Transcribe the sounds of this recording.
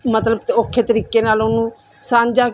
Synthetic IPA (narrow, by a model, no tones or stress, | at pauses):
mət̪ləb̚t̪okʰːeːt̪əɾiːkeːnaːlonũː | sãːɲd͡ʒaː